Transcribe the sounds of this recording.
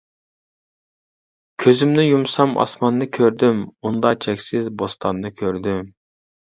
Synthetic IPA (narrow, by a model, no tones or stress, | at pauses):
kʲʰøzymnɪjumsɑmɑ̰smɑnːɨkʲʰøɾd̪ymund̪ɑt͡ʃʰɛkʲsɪzbost̪ʰɑnːɨkʲʰøɾd̪ym